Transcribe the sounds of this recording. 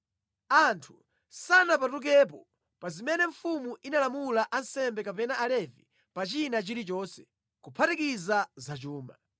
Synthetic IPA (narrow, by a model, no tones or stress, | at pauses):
antʰu̥ | sanap̬atuk̬ɛp̬ɔ | pazimɛnɛɱ̩fumuʔinalamulaʔansɛmbɛkapɛnaalɛvi | pat͡ʃinat͡ʃiɾit͡ʃɔːnsɛ̥ | kupʰatikizazat͡ʃuːma